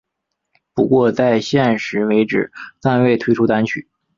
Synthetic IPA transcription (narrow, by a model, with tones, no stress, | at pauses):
pu˧˥kwɔ˥˧t͡sa˥˧ɪɕjɛ˥˩nʂɻ̩˧˥we˧˥ɪʈ͡ʂɻ̩˨˩t̪a˥˧nwe˥˩ɪt̪ʰwe˥ɪʈ͡ʂʰu˥t̪a˥nt͡ɕʰy̰˨˩˦